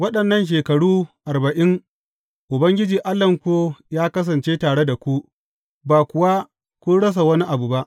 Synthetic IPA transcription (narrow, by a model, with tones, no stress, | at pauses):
wɐ˦ɗɐ˨nːɐ˦nʃ̬eː˨kɐ˨ɽuː˦ʔa˨rbɐ˨ʔɪ˦ŋ | ʔʊ˨bɐ˦ŋɡʲɪ˦d͡ʒiː˨ʔa˦lɐ˨ŋkʷoː˦jaː˦kɐ˦s̬ɐ˨nt͡ʃeː˦taː˨ɽe˦da˨kʷu˦ | baː˨kʷʊ˨wa˦ | kʷʊ˦nɽɐ˦s̬a˨wɐ˦ni˦ʔa˨bu˨ba˦ʔ